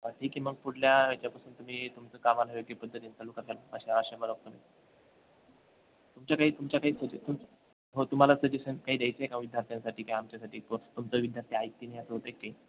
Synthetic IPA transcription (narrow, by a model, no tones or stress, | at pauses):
aʈʰiːkːiːm̤əɡ̚puɽ̤ljaet͡ɕjapasuːnt̪um̤iːt̪umt͡səkamalaʋjəɡlepəd̪ʱːət̪int͡salukaɾaləə̰ɕaaɕəməɾək̚t̪ənai | t̪umt͡ɕjakaɦiːt̪umt͡ɕjakaɦiːsəd͡ʑet̪um | ɦot̪um̤alasəd͡ʑesənkaɦiːd̪jajt͡seekãʋid̪ʱjaɾt̪ʰijãnsaʈiːkaiamt͡ɕjasaʈiːt̪t̪umt͡səːʋid̪ʱjaɾt̪ʰiajkt̪iːnaɦjasəət̪əɾekːaɦiː